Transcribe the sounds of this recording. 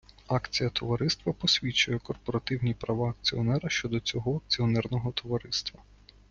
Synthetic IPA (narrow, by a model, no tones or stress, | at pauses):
ɑkt͡sʲijɐt̪ɔʋɐɾɪst̪ʋɐpɔsʲʋʲit͡ʃʊjɛkɔrpɔɾɐt̪ɪwnʲipɾɐʋaɐk̚t͡sʲiɔnɛɾɐʃt͡ʃɔd̪ɔt͡sʲɔɦɔɐk̚t͡sʲiɔnɛrnɔɦɔt̪ɔʋɐɾɪst̪ʋɐ